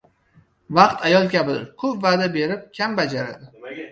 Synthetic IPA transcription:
vɑqt̪ʰajɒlˠkʲabɪd̪ɪ̰ɾkʰɵpvaːd̪abe̞ɾɪp̚kʲʰambad͡ʒaɾa̰d̪ɪ

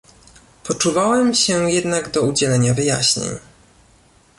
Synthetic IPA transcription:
pɔt͡ʂuvawɛmɕɛjɛd̪naɡd̪ɔud͡ʑɛlɛɲavɘja̰ɕɲḛɲ

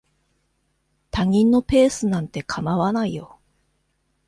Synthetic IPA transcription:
t̪aŋ̟ʲĩnːo̞pe̞ːsɨnãnt̪e̞kʰamaβanaijo̞

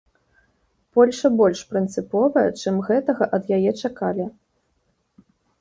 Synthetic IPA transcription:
pɔlʲʂɐbɔlʲʂpɾɨnt̪sɨpɔvɐjɐ̰t͡ʂɨmɣɛt̪ɐɣɐʔɐd̪jajɛt͡ʂakalʲi

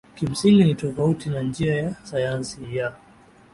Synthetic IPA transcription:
kim̩siŋɡinitɔfautinand͡ʒiajasajansija

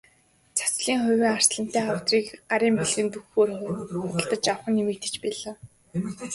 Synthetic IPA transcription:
t͡sʰḁsɮiːŋχʊwʲiːŋar̥sɮə̆n̥t̪æːχaw̥t̪riːkɢaɾiːmpiɮɘ̆nt̪uxoːrχʊʊə̆ɮt̪ə̆t͡ɕawχə̆nːimiːk̚t̪ĕ̥t͡ɕpiɮaː

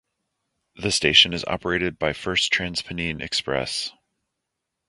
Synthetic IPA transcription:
ðɨsteɪʃɨ̃nɨzɑ̰pə˞eɪɾɨd̚baɪfɜ˞stʰɹ̥æ̃nz̥pʰɨnĩnʔɨ̰kspɹɛ̰s

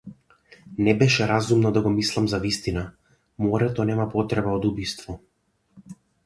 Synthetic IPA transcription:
nɛbɛʃɛɾazumnɔd̪aɡɔmislˠamzavist̪ina | mɔɾɛt̪ɔnɛmapɔt̪ɾɛbaɔd̪ubist̪vɔ

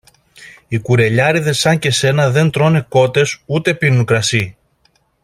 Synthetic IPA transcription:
ikuɾe̞ʎɐɾiðe̞sɐɲce̞se̞nɐðe̞nt̪ɾo̞ne̞ko̞t̪e̞sut̪e̞pinukɾɐsi

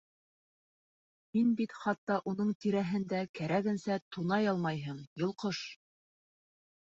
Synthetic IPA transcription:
minbit̪χɑt̪ːɑʔunɤɴt̪iɾæɦɘ̆nd̪ækæɾæɡɘ̆nsæt̪unɑjɑlˠmɑjɦɤɴjɤ̆lˠqɤʃ

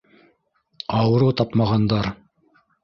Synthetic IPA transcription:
ɑwɤ̆ɾut̪ɑpmɑʁɑnd̪ɑɾ

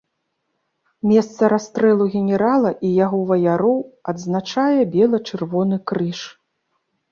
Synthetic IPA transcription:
mʲɛst̪sɐɾast̪ɾɛlˠuɣʲɛnʲɛɾalˠɐʔijaɣɔvɐjaɾɔwɐd̪znat͡ʂajɛbʲɛlˠɐt͡ʂɨrvɔnɨkɾɨʂ

